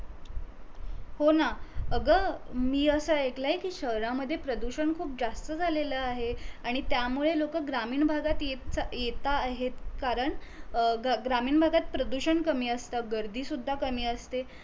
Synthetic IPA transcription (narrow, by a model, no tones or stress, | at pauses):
honaəɡəmiːəsəeklaɦikiːɕəɦɾaməd̪ʱːjepɾəd̪uɕəɳkʰuːp̚d͡zast̪əd͡zʱaleləaɦeaɽ̃it̪jamuɭelokəɡɾamiːɳbʱaɡat̪jeajet̪aːɦet̪kaɾəɳ | ɡɾamiːɳbʱaɡat̪̚pɾəd̪uɕəɳkəmiːəst̪aɡəɾd̪ʱiːsud̪ʱːakəmiːəst̪e